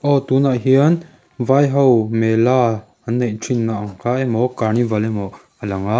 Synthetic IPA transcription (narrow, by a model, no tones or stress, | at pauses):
ʔɔt̪unaʔɦiən | vajɦɔwmela | anejʈ͡ʂʰinːaʔŋkaʔemɔkaɾnivalemɔ | əlɐŋa